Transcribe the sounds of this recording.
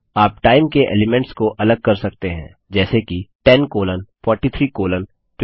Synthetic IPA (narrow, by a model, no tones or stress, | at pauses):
aːpʈaːɪmkeʔḛːlɪmɛ̃ɳʈskoʔɐləɡ̚kɐɾsɐk̚t̪eɦɛ̰̃ː | d͡ʒɛːsekiʈɛnkoːlənfɔːɾʈit̪ʰɾiːkoːlən | ʈ